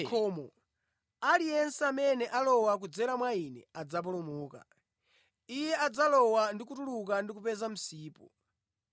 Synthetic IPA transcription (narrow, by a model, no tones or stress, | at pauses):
kʰɔːmɔ | alijɛnsɛamɛnɛʔalɔwak̬ud͡zɛɾamwainɛ̰ad͡zap̬ɔlɔmuːka̰ | ijɛad͡zalɔwandikutuluk̬andikupɛzam̩siːpɔ̰